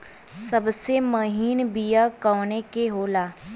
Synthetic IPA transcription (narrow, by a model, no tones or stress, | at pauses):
sɐbsemɐɦiːnbijakɔːnekeɦoːlaː